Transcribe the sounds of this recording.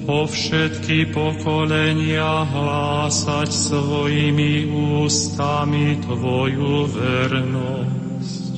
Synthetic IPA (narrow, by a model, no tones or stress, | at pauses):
pɔfʃɛt̪kipɔkɔlɛɲɪaɦlaːsacsʋɔjimiuːst̪amit̪ʋɔjuʋɛɾnɔ | s | c